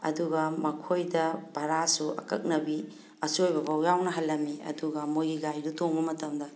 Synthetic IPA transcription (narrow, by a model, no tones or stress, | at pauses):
ɐ̰duɡɐmɐkʰojdɐb̥ɐɾasuɐ̰kɐk̚nɐbi | ɐsojbɐbɐwjawnɐɦɐlːɐmiɐ̰duɡɐmojɡiɡajdutoŋbɐmɐtɐmdɐ